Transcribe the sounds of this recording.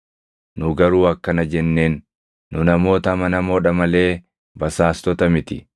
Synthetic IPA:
nʊɡɐɾuːɐkːɐnɐd͡ʒɛnːe̞ːnː | ʊnɐmo̞ːt̪ɐmɐnɐmo̞ːᶑɐmɐle̞ː | bɐsaːst̪ɔt̪ɐmɪt̪ɪ̰

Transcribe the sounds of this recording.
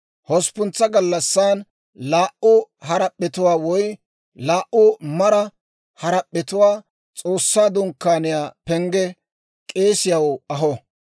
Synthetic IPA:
hɔspʊnt͡sːɐɡɐlːɐsːaːn | laːʔʊhɐɾɐpʼːɛt̪ʊwaːwɔj | laːʔʊmɐɾɐ | hɐɾɐpʼːɛt̪ʊwaː | t͡sʼoːsːaːd̪ʊŋkːaːnɪjaːpɛŋɡɛ | kʼe̞ːsɪjɐwɐɦɔ

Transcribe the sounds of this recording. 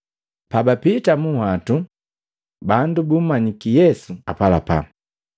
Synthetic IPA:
pabapitamuhatu | bandubum̩maɲikijɛsuapalapa̰

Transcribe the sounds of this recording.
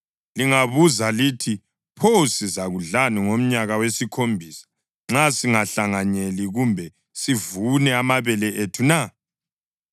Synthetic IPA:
liŋaβuzalitʰi | pʰosizaɣuɮaniŋom̩ɲaɣawesikʰombʱisḁ | ŋ͡ǁasiŋaɬaŋaɲeliɣumbʱɛ | sivunɛamaβɛlɛʔetʰuna

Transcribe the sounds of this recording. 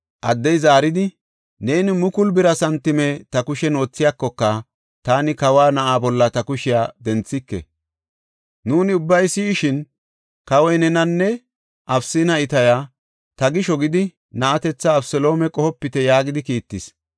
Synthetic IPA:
ʔɐd̪ːɛjzaːɾɪd̪ɪ | ne̞ːnɪmʊkʊlbɪɾɐsɐnt̪ːɪmɛt̪ɐkʊʃɛno̞ːt͡sːɪjakːɔkːɐ | t̪aːnɪkɐwaːnɐʔaːbɔlːɐt̪ɐkʊʃɪjaːd̪ɛnt͡sːɪkːɛ̰ | nuːnɪʊbːɐjsiːʃɪn | kɐwɔjnɛnɐnːɛ | ʔɐbsɪnɐɪt̪ɐjaː | t̪ɐɡɪʃɔɡɪd̪ɪ | nɐʔɐt̪ɛt͡sːɐːbsɛlo̞ːmɛkʼɔhɔpːɪt̪ɛjaːɡɪd̪ɪkiːt̪ːɪs

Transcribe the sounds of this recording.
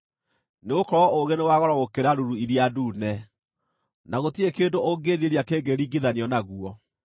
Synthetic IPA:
neɣokɔɾɔʔoɣenewaɣɔɾɔokeɾaɾuɾuiɾjaduːnɛ | naɣotiekeːndoʔoɡeðieɾiakeːɡeɾiːɡiðaniɔnaɣuɔ

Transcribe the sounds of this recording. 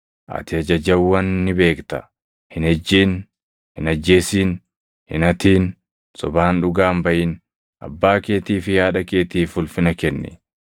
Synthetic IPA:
ʔɐ̰t̪ɪɐd͡ʒɐd͡ʒɐbwɐnːɪbe̞ːkt̪ɐ | hɪnhɛd͡ʒːiːn | hɪnɐd͡ʒːe̞ːsiːn | hɪnɐt̪iːn | sɔbaːnᶑʊɡaːmbɐʔɪn | ʔɐ̰bːaːke̞ːt̪iːfɪjaːᶑɐke̞ːt̪iːfʊlfɪnɐkɛnːɛ̰

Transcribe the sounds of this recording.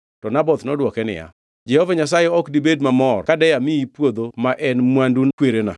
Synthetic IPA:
tɔnabɔt̪nɔdwɔkɛnɪ̰ja̰ | d͡ʒɛhɔvaɲas̬ajeɔkdibedmamɔrkadɛjamɪipwod̪omaʔɛnmwandunkweɾena̰

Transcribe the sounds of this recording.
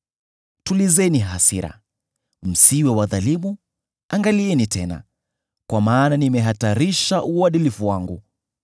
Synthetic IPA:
tulizɛniɦasiɾa̰ | m̩siwɛwaðalimu | aŋɡaliɛnitɛna̰ | kwamaːnanimɛɦataɾiʃaʔuwaɗilifuwaŋɡu

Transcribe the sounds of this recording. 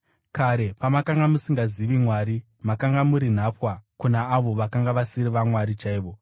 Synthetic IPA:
kaɾe̞pamakaŋɡamusiŋɡaziʋimwaːɾi | makaŋɡamuɾin̤apwakunaːʋo̞ʋakaŋɡaʋasiɾiʋamwaɾit͡ʃaiːʋo̞

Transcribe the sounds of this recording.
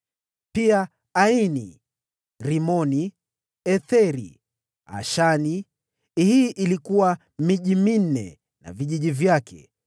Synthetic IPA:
pia | ainḭ | ɾimɔni | ɛθɛɾḭ | a̰ʃani | hiːʔilikuwa | miʄimin̩ːɛ̰ | na̰viʄiʄivjakʰɛ̰

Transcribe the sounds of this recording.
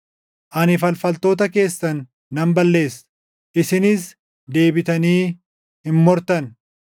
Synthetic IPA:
ʔɐnɪfɐlfɐlt̪o̞ːt̪ɐke̞ːsːɐnː | ɐmbɐlːe̞ːs | ʔɪsɪnɪs | d̪e̞ːbɪt̪ɐniː | hɪmmɔɾt̪ɐn

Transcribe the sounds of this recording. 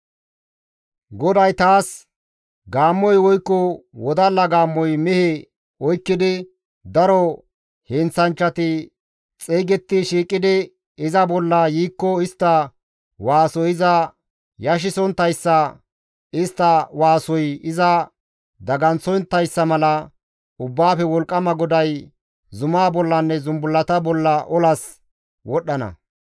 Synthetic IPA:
ɡɔd̪ɐjt̪aːs | ɡaːmːɔjwɔjkːɔwɔd̪ɐlːɐɡaːmːɔjmɛhɛ | ɔjkːɪd̪ɪ | d̪ɐɾɔ | hɛnt͡sːɐnt͡ʃːɐt̪ɪ | t͡sʼeːɡɛt̪ːɪʃiːkʼːɪd̪ɪ | ɪzɐbɔlːɐjiːkːɔɪst̪ːɐ | waːsɔjɪzɐ | jɐʃ̬ɪsɔnt̪ːɐjsːɐ | ɪst̪ːɐwaːsɔjɪzɐ | d̪ɐɡɐnt͡sɔjnt̪ːɐjsːɐmɐlɐ | ʊbːaːfɛwɔlkʼːɐmɐɡɔd̪ɐj | zʊmaːbɔlːɐnːɛzʊmbʊlːɐt̪ɐbɔlːɐʔɔlɐs | wɔɗːɐnɐ̰

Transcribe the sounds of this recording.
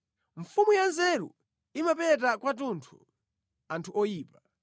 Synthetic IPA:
ɱ̩fumujanzɛɾṵ | imapɛt̬akwat̬untʰu | antʰuɔjiːpa

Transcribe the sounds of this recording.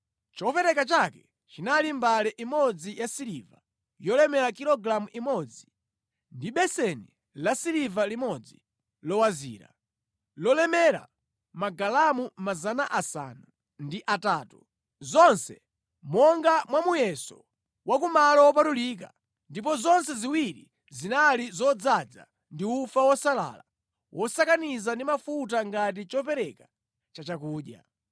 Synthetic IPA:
t͡ʃɔpɛɾɛkat͡ʃakɛ | t͡ʃinalimbalɛʔimɔd͡zijasiɾiːva | jɔlɛmɛɾakiɾɔɡɾamuʔimɔd͡zi | ndiɓɛsɛni | lasiɾivalimɔd͡zi | lɔwazḭːɾa̰ | lɔlɛmɛɾa̰ | maɡalamumazanaʔasa̰na | ndiʔataːtu | zɔnsɛ | mɔŋɡamwamujɛsɔ̰ | wakumalawɔpatulik̬a | ndip̬ɔzɔnsɛziwiɾḭ | zinalizɔd͡zad͡za̰ | ndiufawɔsala̰ːla̰ | wʔɔsakanizandimafut̬aŋɡat̬it͡ʃɔpɛɾɛka | t͡ʃat͡ʃakuːɗja̰

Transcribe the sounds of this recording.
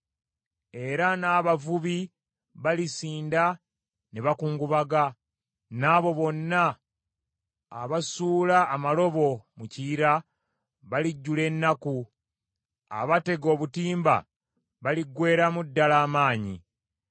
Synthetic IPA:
e̞ɾanaːβavuβi | βalisiːnda | neβakuːŋɡuβaɡa | naːβo̞βo̞nːa | βasuːlaːmalo̞βo̞muciːɾa | βaliɟːule̞nːaku | a̰βate̞ɡo̞ːβutiːmba̰ | βaliɡwe̞ːɾamudːalaːmaːɲḭ

